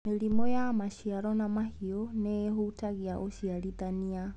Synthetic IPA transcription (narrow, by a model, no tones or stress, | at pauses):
milimɔjamaʃiaɾɔnamahiɔnɛɦutaɣiaʔɔʃialiðania